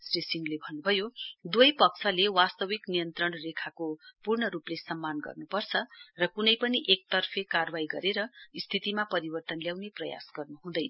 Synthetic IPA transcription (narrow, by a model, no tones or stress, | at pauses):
sresiŋlebʱʌnːubʱʌjod̪wʌjpʌksʰʌlewast̪ʌwiknijʌnt̪rʌnrekʰakopurɳʌɾuplesʌmːanɡʌ̰rnupʌrt͡sʰʌrʌkunʌjpʌniʔek̚t̪ʌrpʰekarwajɡʌɾeɾʌist̪ʰit̪imapʌɾibʌrt̪ʌnljawneprʌja̰sɡʌrnuɦũd̪ʌj